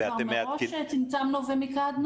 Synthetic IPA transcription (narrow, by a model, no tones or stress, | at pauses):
eaemeaoʃet͡sint͡samnuvemikad̪n